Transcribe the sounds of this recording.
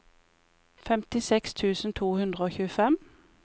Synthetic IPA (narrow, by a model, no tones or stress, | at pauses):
fɛmt̪ɪsɛkst̪ʰʉːsn̩t̪ʰuːhʉnd̪ʁəoːçʉːəfɛm